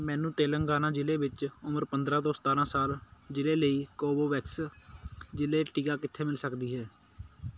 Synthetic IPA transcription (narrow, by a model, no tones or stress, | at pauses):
mɛːnũːt̪eːləŋɡaːnãːd͡ʒɪleːʋɪt͡ʃʊməɾpənd̪ɾãːt̪oːsət̪aːɾãːsaːld͡ʒɪleːləiːkoːboːʋɛːks | d͡ʒɪleːʈiːkaːkɪt̪ʰːeːmɪlsəkd̪iːɦɛː